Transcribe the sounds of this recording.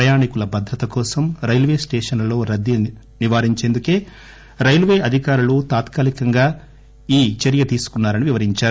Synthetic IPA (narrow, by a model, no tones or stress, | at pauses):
pɾɐjaːnikulɐbɐd̪ʱɾɐt̪ɐkɔːsɐmɾɐjlʋe̞ːsʈeːʂɐnlo̞ːɾɐd̪jɐ | niʋaːɾiɲt͡ʃe̞ːnd̪uke̞ː | ɾɐjlʋe̞ːɐd̪ʱikaːɾulut̪aːt̪kaːlikɐŋɡaː | iːt͡ʃɐɾjɐt̪iːsu̥kunːaːɾɐniʋiʋɐɾiɲt͡ʃaːɾu